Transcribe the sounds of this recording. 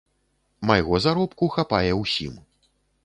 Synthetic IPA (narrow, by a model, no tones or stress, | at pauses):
majɣɔzaɾɔpkuxapajɛwsʲḭm